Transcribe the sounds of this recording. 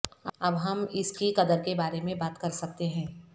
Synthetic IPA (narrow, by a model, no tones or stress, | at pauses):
ɐbɦɐmɪskikɐd̪əɾkebaːɾemẽbaːt̪kɐɾsɐk̚t̪eɦɛ̃ː